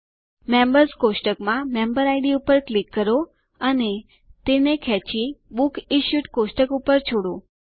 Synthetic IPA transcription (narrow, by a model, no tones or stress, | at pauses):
mẽmbəɾskosʈəkmãmembəɾajɖiupəɾklikːəɾo | əne | t̪enekʰɛt͡ʃibukiʃjuʈkosʈəkupəɾt͡ʃʰoɽo